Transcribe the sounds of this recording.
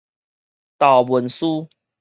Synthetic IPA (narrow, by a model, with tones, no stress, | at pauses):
t̪ɑ˨˩ʊwə˨˦nsu˦